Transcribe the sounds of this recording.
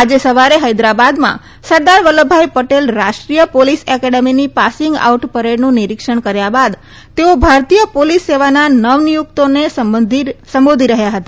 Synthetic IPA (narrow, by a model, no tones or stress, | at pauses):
ad͡ʒesəʋaɾeɦəjd̪ɾabad̪mã̰ | səɾd̪aɾʋələbʱajpəʈelɾaʃʈɾijəpolisɛkɛɖeminipasɪŋɡa̰uʈpəɾeɽnũniɾikʂəɳkəɾjabad̪ | t̪eobʱaɾt̪ijəpolisːeʋananəʋnijukt̪oned̪ʱsəmbod̪ʱiɾəɦjaɦət̪a